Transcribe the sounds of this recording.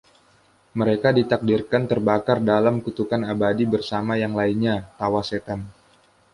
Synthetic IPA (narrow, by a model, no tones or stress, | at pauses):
məɾekadit̪ak̚dirkant̪ərbakardalamkut̪ukanabadibərsamajaŋlainɲat̪awaset̪an